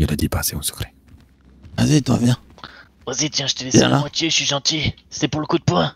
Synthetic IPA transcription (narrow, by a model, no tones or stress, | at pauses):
nəlad̪ipaseɔ̃sə̥kχɛ̥ | azit̪wa̰vjɛ̃ | vazit̪jɛ̃ʒət̪əlesjɛ̰̃ala̰mwat̪jeʃɥiʒɑ̃t̪isɛpuʁləkud̪̚pwɛ̃